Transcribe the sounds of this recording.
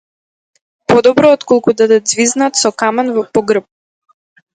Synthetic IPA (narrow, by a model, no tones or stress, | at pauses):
pɔd̪ɔbɾɔːt̪kɔlˠkud̪ad̪ɛd̪zviznat̪sɔkamanvɔpɔɡr̩p̚